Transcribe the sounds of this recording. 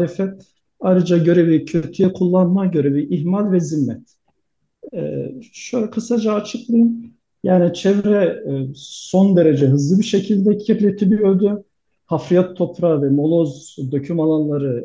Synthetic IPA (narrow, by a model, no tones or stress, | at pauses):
lɛfɛt̪ | ajɾɯd͡ʒaɟø̞ɾɛbicʰøɾt̪ʰyjɛkʰulˠːanmaɟø̞ɾɛbiʔiɦmalʲvɛzimːɛt̪ | ɛ̰ʃøjlʲɛkʰɯsad͡ʒaːt͡ʃʰɯklˠajɯn | jaːnit͡ʃʰɛvɾɛ | so̞nd̪e̞ɾed͡ʒɛɦɯzlˠɯbiʃecʰilʲd̪ɛcʰiblʲet̪ʰid̪ijo̞ɾd̪ʊ | hafɾijat̪ʰːo̞pɾavɛmo̞lˠo̞zd̪o̞cʰymalˠanlˠaɾɯ